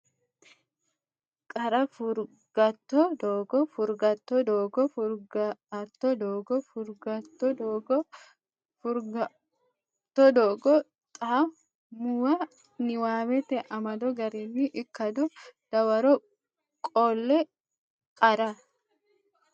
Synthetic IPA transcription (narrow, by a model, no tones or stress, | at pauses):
kʼɐɾɐfʊɾ | ɡ̥ɐt̪ːɔd̪oːɡɔfʊɾɡɐt̪ːɔd̪oːɡɔfʊɾɡɐt̪ːɔd̪oːɡɔfʊɾɡɐt̪ːɔd̪oːɡɔ | fʊɾɡ | t̪ːɔd̪oːɡɔ | t̪ʼaː | mːuwɐ | nɪwaːmɛt̪ɛʔɐmɐd̪ɔɡɐɾinːɪʔɪkːɐd̪ɔd̪̥ɐwɐɾɔ | kʼoːlːɛ | kʼɐɾɐ